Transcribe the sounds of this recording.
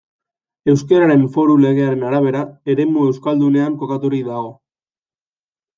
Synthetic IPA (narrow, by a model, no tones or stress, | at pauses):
e̞wskeɾaɾe̞ɱfo̞ɾule̞ɣe̞aɾe̞naɾaβ̞e̞ɾae̞ɾe̞mue̞wskald̪une̞aŋko̞kat̪uɾikd̪aɣo̞